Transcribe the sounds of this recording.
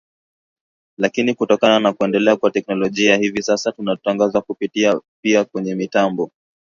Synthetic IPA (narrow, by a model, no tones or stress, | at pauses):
lakinikutɔkananakuɛndɛlɛakwatɛk̚nɔlɔʄiahivisasatunataŋɡazakupitiapiakwɛɲɛmitambɔ